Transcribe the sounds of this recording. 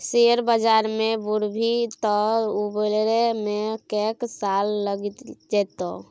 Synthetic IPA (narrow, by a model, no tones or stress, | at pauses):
seəɾbəd͡ʒaɾmebuɾbʱit̪ɔubəlɾemekeksalːəɡit̪d͡ʒɛt̪o̰